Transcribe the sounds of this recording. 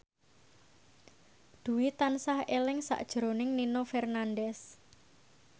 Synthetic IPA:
d̪̥ṳwit̪ansahelɪŋsa̰ʔd̥ʒ̥ɾonɪŋninofɛrnandɛs

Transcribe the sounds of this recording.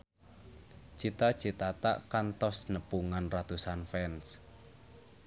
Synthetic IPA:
t͡ʃit̪ḁt͡ʃit̪at̪a̰ʔkant̪ɔsnəpuŋanrat̪usanfɛns

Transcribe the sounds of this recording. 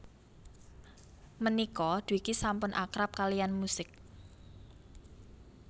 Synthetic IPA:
mənikɔd̪̥uikisampʊnʔakɾap̚kalijanmusɪk̚

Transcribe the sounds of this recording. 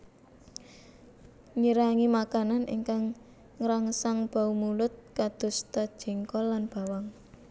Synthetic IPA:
ɲiɾaŋimakananʔḭŋkaŋː | ɾaŋsaŋb̥a̤umulʊt̪̚kad̪̥ʊ̤st̪ad̥ʒ̥ɛ̤ŋkɔlanb̥a̤waŋ

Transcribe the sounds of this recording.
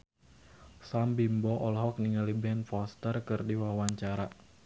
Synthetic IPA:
sambimbɔʔɔlɦɔk̚niŋalibɛnfɔst̪ərkɨrdiwawaɲt͡ʃaɾa

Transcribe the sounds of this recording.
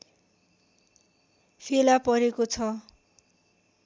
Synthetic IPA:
pʰelapʌɾekot͡sʰʌ

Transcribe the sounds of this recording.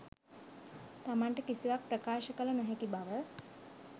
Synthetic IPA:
t̪amaɳʈəkisiʋak̚prəkaːʃəkələnaɦekibaʋə

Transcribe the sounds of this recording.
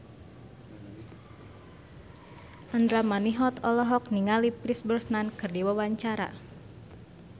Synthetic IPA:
ʔand̪ɾamaniɦɔt̪ɔlɔɦɔkniŋalipɾisbərsnankɨrdiwawaɲt͡ʃaɾa̰

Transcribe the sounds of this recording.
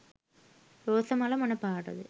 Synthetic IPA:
ɾoːsɐmɐːlɐmɐnɐpːaːɽɐ̰ðɯ

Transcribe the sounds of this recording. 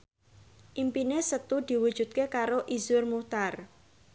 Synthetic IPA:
ʔimpinesət̪ud̪̥i̤wud̥ʒ̥ṳt̪̚kekaɾoʔizʊrmuht̪ar

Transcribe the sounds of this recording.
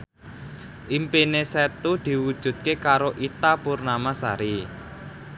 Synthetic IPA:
ʔimpinesɛt̪ud̪̥i̤wud̥ʒ̥ṳt̪̚kekaɾoʔit̪apurnamasa̰ɾi

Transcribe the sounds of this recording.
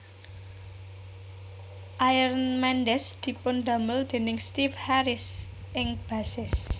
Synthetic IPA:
ʔajərnmɛnd̪ɛsd̪̥i̤pʊnd̪ä̤məld̪̥e̤nɪŋst̪ifhaɾɪs | ʔɪŋb̥ä̤sɪs

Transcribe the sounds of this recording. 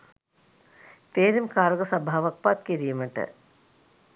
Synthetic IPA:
t̪eːɾimkaːɾəɡəsɐbʱaːʋɐk̚pat̪kiɾijuməʈə̰

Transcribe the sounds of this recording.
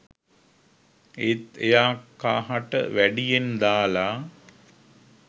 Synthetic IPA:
et̪ejaːkːaːɦaʈə̰ʋæɖijend̪aːla

